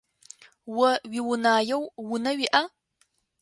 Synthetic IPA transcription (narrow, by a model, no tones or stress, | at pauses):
wɐɥiwʊnaːjɛwwʊnɐɥiʔa